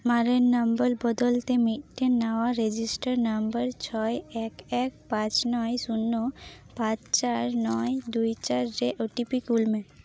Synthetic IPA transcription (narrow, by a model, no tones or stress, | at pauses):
maɾennambəlbɔd̪olt̪emiʈʈenːaaɾed͡ʑisʈaɾnambəɾt͡ɕʰɔeɛkɛkpãt͡ɕnɔjsunːo | pãt͡ɕt͡ɕaɾnɔjd̪ujt͡ɕaɾɾeʔoʈipikulme